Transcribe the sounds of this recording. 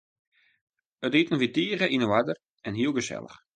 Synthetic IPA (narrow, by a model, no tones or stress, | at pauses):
ətitənfitiərəʔinəʋadər | ɛnɦiəlˠɣəsɛ̰lˠə̰x